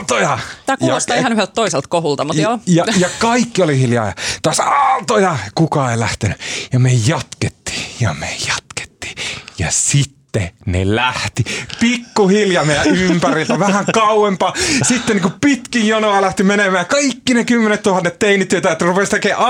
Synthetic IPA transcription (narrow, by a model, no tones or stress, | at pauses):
t̪ojɑt̪ækjujɑost̪ehɑnyhelt̪t̪oiselt̪kohult̪ɑmutj̪joːjɑjɑkɑikːiolihiljɑ̰ːjɑ̰t̪oɑsɑːt̪ojɑkukɑeilæht̪enyjɑmejɑt̪ket̪ːi̥ːjɑ̰mḛjɑ̥t̪ke̥t̪ːi̥ːjɑ̰sit̪ːenḛlæht̪ipikːuhiljɑmeˑijæʔympærilt̪æʋæhæŋkɑuwempɑːsit̪ːeniŋkupit̪kijjonoɑlæht̪imenemæːjkɑikːinekymːenet̪t̪uhɑnːet̪t̪einit̪ːyøt̪æet̪ːrupest̪ekeːʔɑ